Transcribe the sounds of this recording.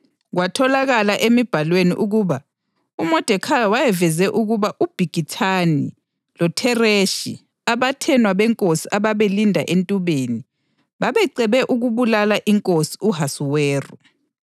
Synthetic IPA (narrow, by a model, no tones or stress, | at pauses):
ɣwatʰɔlaɣalaʔemib̥ʱalwenḭʔuɣuːβa | umɔd̥ʱɛkʰawajɛvɛzɛʔuɣuβaʔub̥ʱiɡ̥ʱitʰani | lɔtʰɛreʃḭ | aβatʰɛnwaβɛŋkʼosiʔaβaβelindʱa̰ʔentʼuβeːni | βaβɛǀɛβɛʔuɣuβulalaʔiŋkʼosi̥uɦasuwɛːrɔ